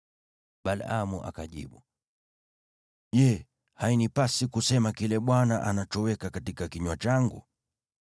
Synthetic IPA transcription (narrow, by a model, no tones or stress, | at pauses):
ɓalamuʔa̰kaʄḭɓu | ʄɛ | hainipasikusɛmakilɛɓwanaʔanat͡ʃɔwɛkakatikakiɲwat͡ʃaŋɡṵ